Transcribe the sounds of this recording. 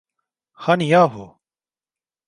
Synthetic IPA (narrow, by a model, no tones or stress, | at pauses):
xanjaːɦo̰ː